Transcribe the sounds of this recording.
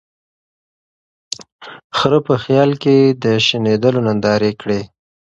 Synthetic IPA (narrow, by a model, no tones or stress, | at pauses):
xɾəpəxjɑlked̪əʃɪned̪əlonand̪ɑɾekɽe